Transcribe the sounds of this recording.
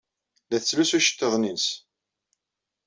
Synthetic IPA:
læθət͡sːlæsæʃə̥t̪ːəðˤnins

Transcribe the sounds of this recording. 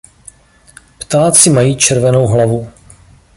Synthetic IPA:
pt̪aːt͡sɪmajiːt͡ʃɛɾvɛno̞wɦlavu

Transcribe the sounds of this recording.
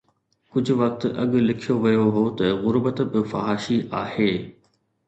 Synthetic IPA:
kʊd͡ʑʱʊ̆ʋɐk̚t̪ɐ̰ɠ̆lɪkʰijoʋɐjoɦot̪ɐɣʊɾbət̪bɪfɐɦaːʃiʔaːheː

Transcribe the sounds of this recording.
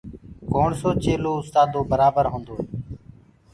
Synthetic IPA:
koːɳsoːt͡ʃeːloːʊst̪aːd̪oːbəɾaːbəɾɦõːnd̪oːe

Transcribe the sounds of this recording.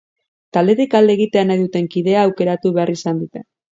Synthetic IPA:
t̪ald̪e̞ɾikald̪eɣit̪e̞anajðut̪e̞ŋkið̞e̞aːwke̞ɾat̪uβe̞arisand̪ut̪e̞

